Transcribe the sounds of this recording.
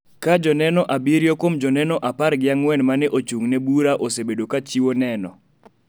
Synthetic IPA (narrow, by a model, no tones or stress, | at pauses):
kad͡ʒɔnɛnɔʔabiɾjɔkomd͡ʒɔnɛnɔʔapaɾɡɪaŋwɛnmanɛʔot͡ʃuŋnɛbuɾaʔosebedokat͡ʃiwonɛnɔ